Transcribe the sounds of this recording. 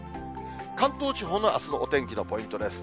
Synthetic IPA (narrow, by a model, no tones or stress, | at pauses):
kãnt̪o̞ːt͡ɕiɦo̞ːnoʔa̰sɨnoʔot̪ẽŋkʲino̞po̞ĩnt̪o̞d̪e̞sɨ̥